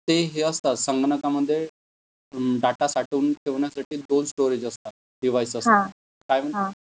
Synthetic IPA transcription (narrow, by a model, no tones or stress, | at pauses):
t̪eɦeəst̪asəŋɡnəkaməd̪ʱːje | ɖaʈasaʈuːnk̪ʰeʋɳjasaʈiːd̪onsʈoɾed͡ʑəst̪a | ɖiʋajsəst̪a | kajməɦã